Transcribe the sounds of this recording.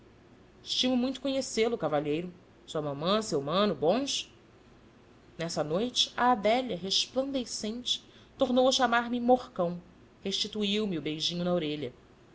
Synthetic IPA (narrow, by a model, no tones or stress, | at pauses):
ɪʃt͡ʃĩmʊmũj̃t̪ʊ̥kõɲeselʊkavaʎejɾʊ | suɐmɐ̃mɐ̃sewmɐ̃nʊbõʃ | nɛsɐnojt͡ʃɪ̥ɐːd̪ɛʎɐɦeʃplɐ̃nd̪esẽnt͡ʃɪ̥ | t̪oɾnowɐʃamaɾmɪmoχkɐ̃w̃ | heʃt͡ʃit̪uiwmiʊbejʒĩɲʊnɐaoɾeʎɐ